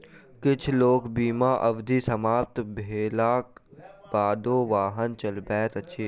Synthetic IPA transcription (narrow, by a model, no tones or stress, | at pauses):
kɪt͡ʃʰloːkbiːmaːʔɐʋd̪ʱisɐmaːp̚t̪bʱeːlaːkbaːd̪õːʋaːɦənt͡ʃɐlbɛːt̪əʃʰeː